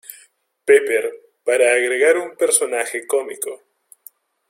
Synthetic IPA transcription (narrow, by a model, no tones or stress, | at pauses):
pepeɾ | paɾaːɣɾeɣaɾumpeɾso̞naxeko̞miko